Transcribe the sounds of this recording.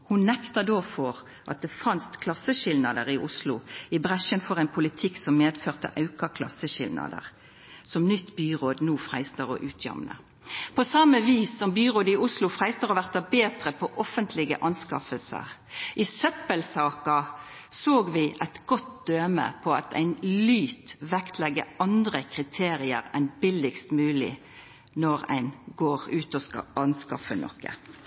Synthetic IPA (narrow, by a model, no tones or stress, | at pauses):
hʊnnɛkt̪ɑd̪oːfɔʁ | ʔɑ̰t̪̚d̪ɛfɑnst̪kʰlɑsəʃɪlnɑd̪əʁɪʔʊslʊɪbʁæʃənfɔʁæɪnpʰʊlɪt̪ʰɪksɔmmeːd̪føːʁt̪ə̰ʔɑʉkɑkʰlɑ̰səʃɪlnɑ̰d̪ə̰ʁ | sɔmnʏt̪ːbyːʁoːd̪nuːfʁæɪst̪əʁɔ̰ʔʉːt̪ʰjɑ̰mnə̰ | pʰɔsɑmːəʋiːsːɔmbyːʁoːd̪əɪʊslʊfʁæɪst̪əʁɔʋæʁt̪ɑbeːd̪ʁəpʰɔʔɔfənt̪ʰlɪɡə̰ʔɑnskɑfəlsə̰ʁ | ʔɪsœpəlsɑːkə | soːɡʋɪʔɛɪt̪ɡ̥ɔt̪̚d̪̥øːmə̰pʰɔɑt̪ʰæ̰ɪnlyːt̪ʋɛkt̪ʰlɛɡəɑnd̪ʁəkʰʁɪt̪ʰeːʁɪə̰ʁɛnbɪlɪkst̪mʉːlɪ̰ | nɔʁæ̰ɪnɡoːʁʉːt̪ɔskɑ̰ɑnskɑ̰fənʔɔ̰kːə̰